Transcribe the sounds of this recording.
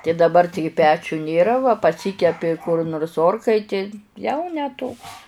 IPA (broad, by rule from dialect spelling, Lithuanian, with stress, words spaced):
tʲɪ dɐˈbɐr ˈtʲɪɡʲɪ ˈpʲæːt͡ʃʲʊ nʲeːˈrɐ ʋɐ pɐˈsʲiːkʲɛpʲɪ kʊr noːrs ˈoːrkɐɪtʲeːj ˈjɛʊ nʲɛ toːks